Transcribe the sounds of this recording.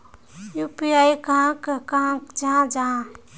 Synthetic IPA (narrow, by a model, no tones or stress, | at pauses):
jupiajkaãkkãkd͡ʒad͡ʒa